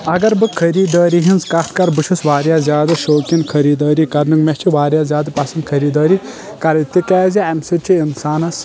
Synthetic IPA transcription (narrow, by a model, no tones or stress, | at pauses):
ɐɡɐɾbɨkʰɐɾiːd̪əːɾiɦinzkɐt̪̚ʰkɐɾbɨʃʰusʋaːɾjaːzʲjaːd̪ɨʃoːkinkʰɐɾiːd̪əːɾiːkɐɾnɨkmeht͡ʃʰiʋaːɾjaːzjaːd̪ɨpɐsɐnd̪̚kʰɐɾiːd̪ɐːɾi | kɐɾt̪ikɛːziɐmsɨt͡ʃʰiinsaːnɐs